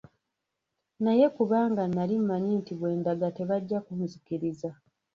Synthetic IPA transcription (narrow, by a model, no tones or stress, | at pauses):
naje̞kuβaːŋɡanːalim̩maɲiːntiβwe̞ːndaɡate̞βaɟːakum̩zikiɾiza